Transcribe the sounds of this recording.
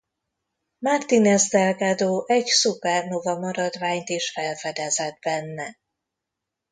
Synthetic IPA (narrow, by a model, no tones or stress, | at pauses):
mart̪inɛzd̪ɛlɡad̪oːʔɛɟsupɛrnovɒmɒɾɒd̪vaːɲt̪iʃfɛlfɛd̪ɛzɛd̪̚bɛnːɛ